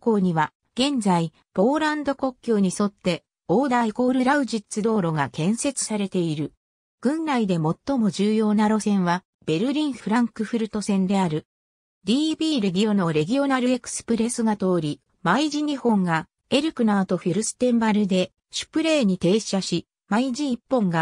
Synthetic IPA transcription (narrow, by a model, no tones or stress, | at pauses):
ko̞ːɲ̟iβa | ɡ̥ẽ̞nd͡zai | po̞ːɾãnd̪o̞ko̞kʲːo̞ːɲ̟iso̞t̪ːe̞ | oːd̪aiko̞ːɾɯ̟ɾaɯ̟ʑit͡sɨd̪o̞ːɾo̞ɡakẽ̞ɰ̃se̞t͡sɨ̥saɾe̞t̪e̞iɾɯ̟ | ɡ̥ɯ̟̃ŋːaid̪e̞mo̞t̪ːo̞mo̞ʑɨːjo̞ːnaɾo̞sẽ̞ɰ̃βa | b̥e̞ɾɯ̟ɾʲĩɰ̃ɸɯ̟ɾãŋkɯ̟ɸɯ̟ɾɯ̟t̪o̞sẽ̞nd̪e̞aɾɯ̟ | d̪ʲiːbʲiːɾe̞ɡʲio̞no̞ɾe̞ɡʲio̞naɾɯ̟e̞kɯ̟̥sɨ̥pɯ̟ɾe̞sɨɡat̪o̞ːɾʲi | maiʑiɲ̟ihõ̞ŋɡa | e̞ɾɯ̟kɯ̟naːt̪o̞ɸi̟ɾɯ̟sɨ̥t̪ẽ̞mbaɾɯ̟d̪e̞ | ɕɨ̥pɯ̟ɾe̞ːɲ̟it̪e̞ːɕaɕi | maiʑiːpːõ̞ŋɡa